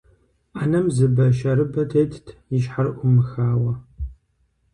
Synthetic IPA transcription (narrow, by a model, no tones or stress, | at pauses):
anɐmzɨbɐʃɐɾɨbɐtʰeːjtʰtʰjɪʃħarʔʷʊmɨxaːwɐ